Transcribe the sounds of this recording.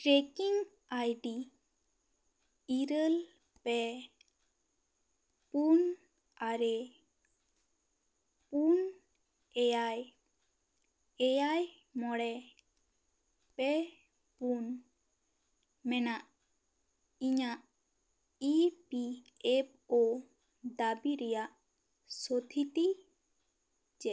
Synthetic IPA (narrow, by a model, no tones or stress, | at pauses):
ʈɾekiŋ | ajɖi | iɾəl | pɛ | pun | ʔaɾe | pun | ejaj | ejaj | mɔɽɛ | pɛ | pun | mɛnaʔ | iɲaʔ | ipi | ep̚o | d̪abiɾɛjaʔ | sot̪ʰit̪i | d͡ʒɛ